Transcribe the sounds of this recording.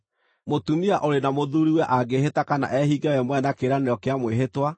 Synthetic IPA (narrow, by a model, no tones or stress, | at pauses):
motumiaʔoɾenamoðuɾiwɛʔaɡehetakana̰ʔɛhiɡɛwɛmwɛnakeɾaneɾjɔkeamweɦetwa